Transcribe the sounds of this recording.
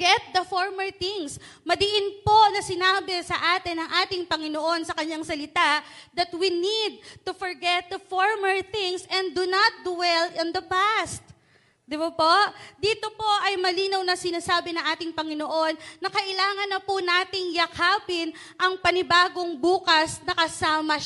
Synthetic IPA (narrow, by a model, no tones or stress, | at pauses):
ɛt̪̚d̪ɐfoɹmɛɹθɪŋsmɐd̪ɪʔɪnpo̞nɐsɪnaːbɛsɐʔaːt̪ɪnɐŋʔaːt̪ɪŋpɐŋɪno̞ʔo̞nsɐkɐɲːaŋsɐlɪt̪aʔd̪ɐt̪winid̪̚t̪ufoɹɡɛt̪̚d̪ɐfoɹmɛɹθɪ̃ŋsɛnd̪unɐt̪̚d̪uwɛlɪ̃nd̪ɐpast̪̚ | d̪ɪbɐpoʔd̪iːt̪opo̞ʔɐjmɐliːnɐwnɐsɪnasaːbɪnɐŋʔaːt̪ɪŋpɐŋɪno̞ʔo̞nːɐkɐʔɪlaːŋɐnːɐpʊnaːt̪ɪŋjɐkʰaːpɪn | ʔɐŋpɐnɪbaːɡo̞ŋbuːkɐsnɐkɐsaːmɐ